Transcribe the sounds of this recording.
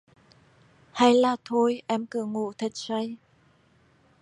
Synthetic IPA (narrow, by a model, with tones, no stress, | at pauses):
ha˧jlaː˨˩t̪ʰo˧jʔɛ˧mkɨ˧˩əŋṵ˧˨t̪ʰə˨˩t̚sa˧j